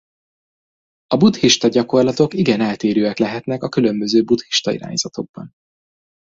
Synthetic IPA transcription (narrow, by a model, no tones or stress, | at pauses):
ɒbut̪hiʃt̪ɒɟɒko̞rlɒt̪o̞kiɡɛnɛlt̪eːɾøːɛklɛɦɛt̪nɛkɒkylø̞mbø̞zøːbut̪hi̥ʃt̪ɒḭɾa̰ːɲz̥ɒt̪o̞ɡ̚bɒ̰n